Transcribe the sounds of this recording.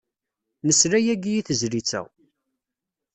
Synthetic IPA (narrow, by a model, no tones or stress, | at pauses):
nəsɾæjæɡijiθəzɾit͡sːæ̰w